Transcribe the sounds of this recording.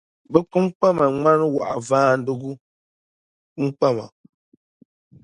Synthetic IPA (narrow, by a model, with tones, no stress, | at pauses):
bə˦k͡pu˦m˦k͡pa˦ma˨ŋ͡ma˦n˦wa̰˨ʔa̰˨vaː˦n̩˦du˦ɡu˦ | ŋ͡m̩˦k͡pa˦˨ma̰˨